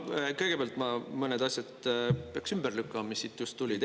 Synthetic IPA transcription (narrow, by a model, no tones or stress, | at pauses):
kɤjɡ̥e̞peæɑlt̪mɑmɤned̪ɑsʲjɑd̪peɑksymb̥erlykˑːɑmmisːit̪ːjust̪ːulʲid̪